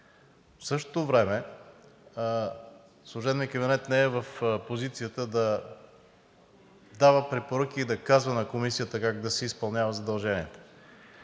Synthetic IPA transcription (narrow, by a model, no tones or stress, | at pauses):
fsɤʃ̬t̪o̥t̪ovɾɛmɛ | slˠoʒɛd̪nikəbinɛt̪nɛɛvəfpozit̪sijət̪əd̪ɐ | d̪avəpɾɛpoɾɤk̟iːd̪ɐkazvənɐkomisijət̪əkaɡ̚d̪ɐsɛispɐlˠnʲavəzɐd̪ɐlˠʒɛniɛt̪o̥